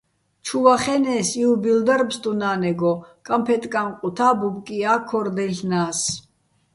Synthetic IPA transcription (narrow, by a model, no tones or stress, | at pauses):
t͡ʃʰuvaχɛnɛːsiubild̪aɾmst̪ʼunaːnɛɡɔkʼampʰɛt̪ʼkʼamqʼut̪ʰaːbubkʼiaːkʰːɔɾd̪ɛɬnaːs